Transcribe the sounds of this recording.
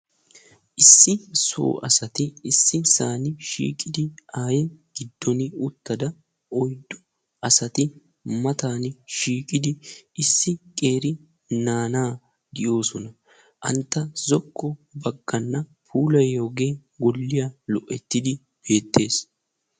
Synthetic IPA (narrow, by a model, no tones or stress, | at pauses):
ʔɪsːɪso̞̰ːʔɐ̰sɐt̪ɪɪsːɪsaːnɪʃḭːkʼɪd̪ɪʔaːjɪɡ̥ɪd̪ːɔnɪʊt̪ːɐd̪ɐ | ʔɔjd̪ːʊ | ʔɐsɐt̪ɪ | mɐt̪aːnɪʃiːkʼɪd̪ɪʔɪsːɪkʼe̞ːɾɪ | naːnaː | ɡ̪ɪjo̞ːsɔnɐ | ʔɐ̰nt̪ːɐzɔkʰːɔbɐɡːɐnːɐpʰuːlɐjːo̞ːɡeːɡɔlːɪjaːlɔʔːɛt̪ːɪd̪ɪ | b̥e̞ːt̪ːe̞ːs